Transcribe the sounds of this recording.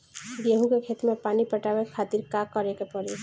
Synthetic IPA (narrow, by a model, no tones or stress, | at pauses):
ɡeɦũkekʰet̪mepanipəʈabekʰat̪iɾkakːəɾekepəɾe